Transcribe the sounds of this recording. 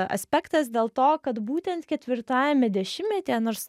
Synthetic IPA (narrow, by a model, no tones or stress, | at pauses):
ɐ̰sʲpʲɛkt̪ɐsd̪ʲeːlˠt̪oːkɐt̪buːt̪ʲɛnt̪kʲɛt̪ʲʋʲɪɾt̪ɑːjɛmʲɛd̪ʲɛʃʲɪmmʲɛt̪ʲejɛnoːɾs